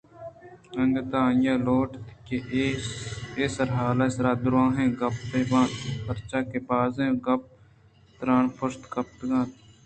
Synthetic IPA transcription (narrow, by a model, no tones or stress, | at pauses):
ɐŋɡt̪aːjãːloːʈt̪ke | eːsɐɾɦaːlaːɪsɾaːd̪ɾãːɦẽːɡɐppeːbãːt̪pɐɾt͡ʃaːkepaːzẽːɡɐp̚ | t̪ɾaːnpʰʊst̪kɐpt̪ɡãːt̪